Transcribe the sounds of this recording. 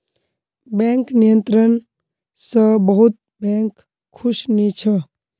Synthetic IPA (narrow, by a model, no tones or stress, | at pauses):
bɛ̃ŋknijə̃nt̪ɾən | səbəɦut̪̚ | bɛ̃ŋkʰː | uʃnit͡ʃʰə